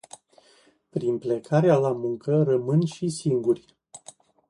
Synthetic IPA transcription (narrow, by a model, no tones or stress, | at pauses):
pɾinplekʰaɾealamuŋkəɾəmɨnʃisiŋɡurʲ